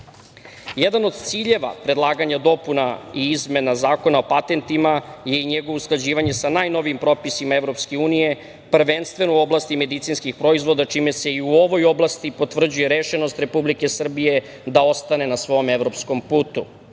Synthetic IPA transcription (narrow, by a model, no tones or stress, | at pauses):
jed̪ano̞d̪t̪siːʎe̞ʋa̰pɾe̞d̪lˠaːɡaɲad̪o̞punaiizme̞nazaːko̞nao̞pat̪e̞nt̪imaje̞iɲeɡoʋousklˠad͡ʑiːʋaɲe̞sanaːjnoʋiimpɾo̞pisimaevɾo̞pske̞uːnije̞ | pr̩ʋenst̪ʋe̞nouo̞blˠast̪ime̞d̪it̪sinskixpɾo̞izʋo̞d̪at͡ʃime̞seiuo̞ʋo̞jo̞blast̪ipo̞t̪vr̩d͡ʑuje̞ɾeʃenost̪ɾe̞publike̞sr̩bije̞ | d̪ao̞st̪ane̞nasʋo̞meʋɾo̞psko̞mpuːt̪ṵ